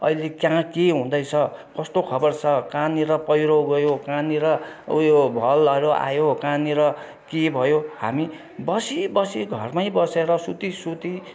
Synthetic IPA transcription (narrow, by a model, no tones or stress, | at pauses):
ʌ̰ilekjãkeɦũd̪ʌjt͡sʰʌkʌst̪okʰʌbʌrt͡sʰʌkaniɾʌpʌjɾoɡʌjokãniɾʌjobʱʌlʌɾoa̰jokãniɾʌ | kebʱʌjoha̰mi | bʌsibʌsiɡʱʌrmaibʌseɾʌsut̪isut̪i